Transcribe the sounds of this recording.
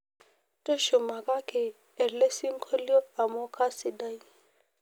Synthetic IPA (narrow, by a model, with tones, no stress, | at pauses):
tʼo˦ʃʊ˨ma˨kʼa˦keː˨ | le˦si˦ŋ̩˦kʰo˦ljɔ˦ka˨mɔ˦kʰa˦sɪ˨da˦i˦